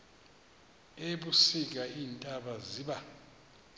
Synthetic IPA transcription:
eɓusik̬aiːntʼaɓaziːɓa

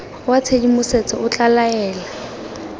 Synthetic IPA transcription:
wat͡sʰedimʊset͡sʼɔʊt͡ɬalaɛːla

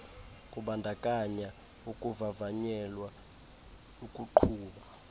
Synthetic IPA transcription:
kʼuɓandʱakʼaɲa | ukʼuvavaɲɛlwa | ukʼuǃʰuːɓa

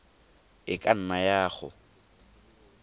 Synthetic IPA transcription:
ɪkʼan̩najaːχʊ̰

